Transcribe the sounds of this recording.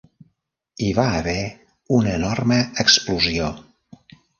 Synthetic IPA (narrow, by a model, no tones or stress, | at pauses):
iβaəβɛ | unənɔrməəkspluzio